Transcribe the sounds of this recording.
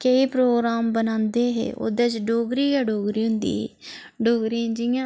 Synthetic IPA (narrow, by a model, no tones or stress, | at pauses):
keipɾoːɡɾaːmbənãːnd̪eːɦḛːʔo̰d̪ẽːt͡ʃɖoːɡɾiːɛːɖoːɡɾiːɦʊnd̪ḭːɦḛː | ɖoːɡɾiãd͡ʒɪjãː